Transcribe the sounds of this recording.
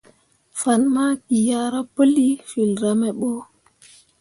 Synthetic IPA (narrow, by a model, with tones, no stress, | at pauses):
fa˨nma˦ki˨ja˦ɾa˦pə˦li˦fi˨lɾamɛ˨ɓɔ˦